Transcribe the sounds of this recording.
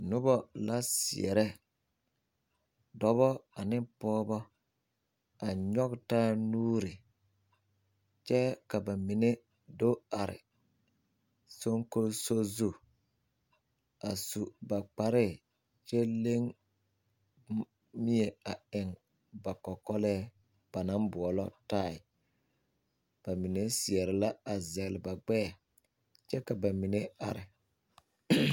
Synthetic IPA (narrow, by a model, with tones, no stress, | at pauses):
nʊ˦bɔ˦la˦sḭ˨ɛ̰˨ɾɛ˦ | dɔ˦βɔ˦a˨nɪ˦pɔː˦bɔ˦ | a˨ɲɔ˦ktaː˦nuː˦ɾi˨ | t͡ʃɛ˦ka˨ba˨mi˨ne˦ | do˦a˨ɾɪ̰˨ | so˦ŋko˦lso˦zu˦ | a˨su˨ba˨k͡pa˨ɾɪ˦˨ | t͡ʃɛ˦le˦ŋ | mi˦e˨a˨ɪ˨ŋ | ba˨kɔ˨kɔ˦lɛː˦ | b̥a˨na˦mbʊ˨ɔ˨lɔ˦ta˦˨ɪ˨ | b̥a˨mi˨ne˦sɪ˨ɛ˨ɾɪ˨la˦a˨zɛ˨lɪ˨ba˨ɡ͡bɛ˦a˨ | t͡ʃɛ˦ka˨ba˨mi˨ne˦a̰˨ɾɪ˨